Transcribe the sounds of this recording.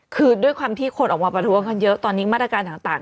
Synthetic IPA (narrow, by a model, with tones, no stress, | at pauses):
kʰɯː˧du˥˩əjkʰwaː˧mt̪ʰiː˥˩kʰo˧nʔɔː˨˩kmaː˧pɾa˧t̪ʰu˦˥əŋkʰa˥˩njɤ˦˥ʔt̪ɔː˧nːiː˦˥maː˥˩t̪ɾa˧kaː˧nt̪ʰaː˨˩ŋt̪aː˨˩ŋ